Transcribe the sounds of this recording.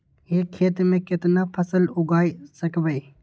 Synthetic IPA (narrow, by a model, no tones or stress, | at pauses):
jeːkʰːeːt̪mẽːkɪt̪napʰəsəlʊɡaːisɐkbəi